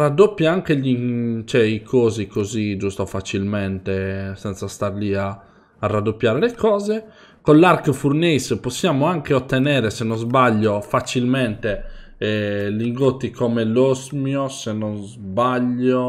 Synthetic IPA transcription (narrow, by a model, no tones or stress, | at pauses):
rad̪opːjaaŋkeʎit͡ʃɛikʰoːzikozid͡ʒust̪ofat͡ʃilmɛnt̪esɛnt̪sast̪aɾliaː | rad̪ːopːjaːɾelekɔːze | kolːarkfurnesposːjaːmoaŋk̟eot̪ːenɛːɾesenːɔzbaʎːofat͡ʃilmɛnt̪e | ɛliŋɡot̪ːikʰɔmelozmjosenɔnzbaʎːo